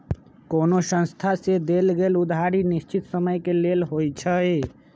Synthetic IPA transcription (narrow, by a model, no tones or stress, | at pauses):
koːnosə̃nst̪ʰased̪eːlɡeːlʊd̪ʱaɾinɪst͡ʃɪt̪səməjkeleːlɦoːit͡ʃʰəe